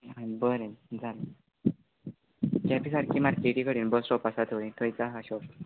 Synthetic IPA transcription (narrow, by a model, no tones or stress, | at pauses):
ãbəɾẽnd͡zal | kɛpisaɾkimaɾkeʈikəɽiːnbəsɾɔpasat̪ʰoɭĩt̪ʰɔjt͡saɦaɕɔp